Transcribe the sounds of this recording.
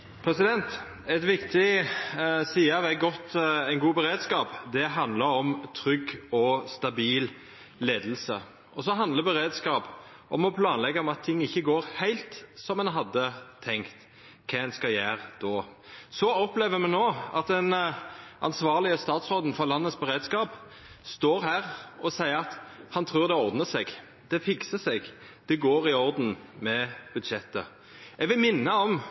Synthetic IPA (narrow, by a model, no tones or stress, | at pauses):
pʰɾɛsɪd̪ɛnt̪ | ɛt̪ʋɪkt̪ʰɪ | siːɑʋɛɡɔt̪æɪnɡuːbəɾeːd̪skɑːpd̪ɛɦɑnd̪ləɾɔmt̪ʰɾʏɡɔst̪ɑbiːl | leːd̪əl̩sə̰ | ɔsɔɦɑnd̪ləbəɾeːd̪skɑːp | ʔɔmɔpʰlɑːnlɛɡːəɾɔmɑt̪ʰːɪŋːɪçːəɡoːɾhæɪlt̪sɔmɛnɦɑd̪ːət̪ʰɛŋkt̪ | kʰɛɛnskɑjæːʁd̪̥oːsɔɔpleːʋəmɛnoːɑt̪̚d̪ɛnʔɑ̰nsʋɑːʁlɪəst̪ɑːt̪sʁoːd̪n̩fɔʁlɑnːəsbɛɾeːd̪skɑːp | st̪oːɾɦæːʁɔsæɪəɾɑt̪hɑnt̪ʰɾʉːɾd̪ɛɔɾd̪nəsɛɡ | d̪̥ɛfɪksəsɛɡ | d̪̥ɛɡoːɾɪɔɾd̪n̩mɛbʉd̪ʃɛt̪ːə̰ | ɛɡʋɪlmɪnːəɔm